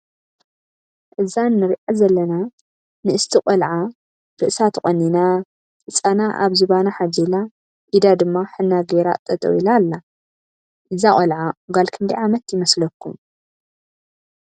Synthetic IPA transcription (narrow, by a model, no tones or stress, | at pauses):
ʔɨzanːɨɾʔazɐlːɐna | nɨʔɨst̪ʰikʼɐlʕa | ɾɨʔsat̪ʰɨχʼɐnːina | ɨt͡sʼanaʔa̰βzɨβanaħad͡ʒila | ʔid̪ad̪ɨmːaħɨnːaɡeɾa̰t̪ʼːɐt̪ʼo̰ilalːa | ʔɨzakʼɐlʕaɡalkʰɨnd̪iʕamɐt̪jɪmɐslɐkʰːum